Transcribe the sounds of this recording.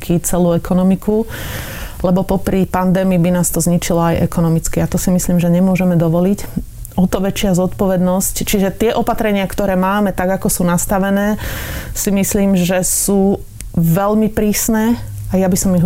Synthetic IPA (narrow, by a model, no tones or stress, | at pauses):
kʰit͡sɛluːɛkɔnɔmikʰu | lɛbɔpɔpɾipand̪ɛːmiːbinaːst̪ɔzɲit͡ʃilɔajʔɛ̰kɔnɔmit͡skiat̪ɔsimisliːmʒɛɲɛmʊɔʒɛmɛd̪ɔʋɔlic | ɔt̪ɔʋɛt͡ʃɪazɔt̪pɔʋɛd̪nɔsct͡ʃiʒɛt̪ɪɛʔɔpat̪ɾɛɲɪakt̪ɔɾɛːmaːmɛt̪aɡakɔsuːnast̪aʋɛnɛːsimisliːmʒɛsuː | ʋɛʎmipɾiːsnɛː | ajabisɔmiɦ